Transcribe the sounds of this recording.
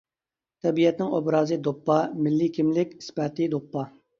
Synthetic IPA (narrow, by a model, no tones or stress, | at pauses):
t̪ʰɛbijɛt̪nɪŋobɾɑːzɨd̪opːɑmɪlːikʲʰimlɪkʲi̥spɛt̪ɨd̪opːɑ